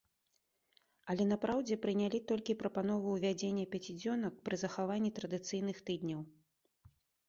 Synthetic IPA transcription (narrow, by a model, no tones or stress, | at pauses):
ɐlʲɛnapɾawd͡zʲɛpɾɨnʲalʲit̪ɔlʲkʲipɾɐpan̪ɔvuwvʲad͡zʲenʲːɐpʲat͡sʲid͡zʲɔnɐk̚pɾɨzɐxavanʲːit̪ɾɐd̪ɨt̪sɨjnɨxt̪ɨd̪ʲnʲɐw